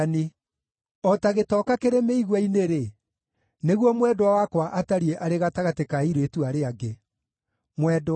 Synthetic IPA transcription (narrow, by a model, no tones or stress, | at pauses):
ne | ɔtaɣetɔkakeɾemeiɣwaineɾe | neɣwɔmwɛdwawakwaʔataɾieʔaɾeɣataɣatekaiɾetuaɾeaɡe | mwɛdo